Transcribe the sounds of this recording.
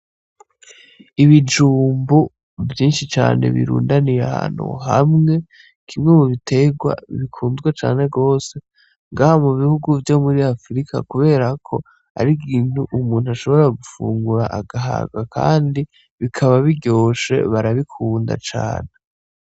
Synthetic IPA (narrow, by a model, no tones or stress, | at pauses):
iβid͡ʒuːmbu | vjiːnʃit͡ʃa̰ːne̞̰βḭɾṵːndaniɾeaha̰ːn̥hṵɦa̰mŋe̞ | kʰimŋemuβitʰe̞ɡwa̰βikʰuːnzɡwet͡ʃa̰ːne̞ɡo̞ːse̞ | ŋɡahamuβihuɡuvjo̞muɾiafɾikʰa̰kuβe̞ːɾakʰo̞ | a̰ɾiɡiːnhuʔumuːn̥huaʃo̞βo̞ɾaɡufṵːŋɡuɾaʔaɡaɦa̰ɡakʰa̰ːndi | βikʰaβaβiɟo̞ːʃe̞̰βaɾaβikʰuːnda̰t͡ʃa̰ːne̞